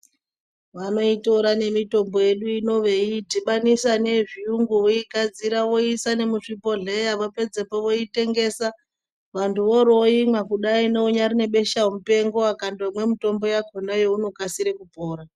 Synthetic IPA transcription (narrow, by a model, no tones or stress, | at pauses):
ʋano̞ito̞ɾane̞mito̞mbo̞je̞ɗuino̞ʋeitiɓanisane̞ʐijuŋɡuoikad͡ziɾawo̞isane̞muʂipo̞ɮe̞jaʋape̞d͡zepoʋo̞ite̞ŋɡe̞sa | ʋantuʋo̞ɾoimakuɗaine̞uɲaɾine̞ɓe̞ʃaomupe̞ŋɡo̞akandomwe̞mito̞mbo̞jakʰonajouno̞kasiɾekupo̞ːɾa